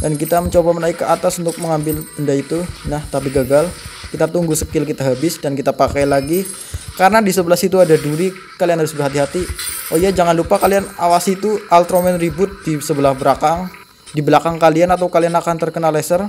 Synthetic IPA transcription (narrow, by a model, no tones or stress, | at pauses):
dankit̪aməɲt͡ʃobamənaɪkːəat̪asunt̪ʊk̚məŋambɪləndait̪unaht̪apiɡaɡalkit̪at̪uŋɡusəkɪlkit̪aɦabɪsdankit̪apakajlaɡi | karənadisəbəlasit̪̬uadahduɾi | kalianhaɾʊsbərɦat̪iɦat̪iojad͡ʒaŋanlupakalianawasit̪ualt̪ɾomɛnribʊt̪̚disəbəlahbəɾakaŋ | dibəlakaŋkalianat̪awkalianakant̪ərkənalesər